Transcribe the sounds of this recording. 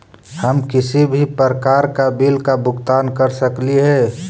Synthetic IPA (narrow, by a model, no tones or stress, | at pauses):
həmkɪsibʱipəɾəkaːɾkabilkabʊɡt̪aːnkəɾsəkliɦɛ